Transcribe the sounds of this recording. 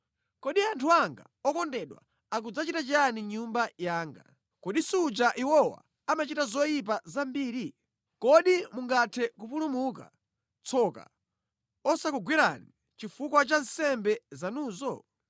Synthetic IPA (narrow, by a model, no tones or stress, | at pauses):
kɔɗiantʰuaŋɡa̰ | ɔkɔndɛɗwa̰ | akud͡zat͡ʃitat͡ʃaniɲumbajaːŋɡa̰ | kɔɗisud͡ʒaʔiwɔwa̰ | amat͡ʃitazɔjip̬azambiːɾi | kɔɗimuŋɡatʰɛkupulumuk̬a̰ | t͡sʰɔka̰ | ɔsakuɡwiɾani | t͡ʃifukwat͡ʃansɛmbɛzanuːzɔ